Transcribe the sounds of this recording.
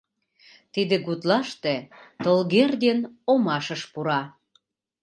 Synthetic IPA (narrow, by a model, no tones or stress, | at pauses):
t̪id̪ĕɣut̪lɑʃt̪et̪olɣerd̪enomɑʃəʃpuɾɑ